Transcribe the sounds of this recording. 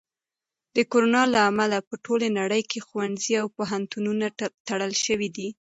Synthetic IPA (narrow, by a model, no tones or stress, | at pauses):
d̪̥əkoɾonɑlaːmalapəʈʰolenaɽəjkʰexwanziawpoɦant̪ununat̪aɽəlʃəwid̪i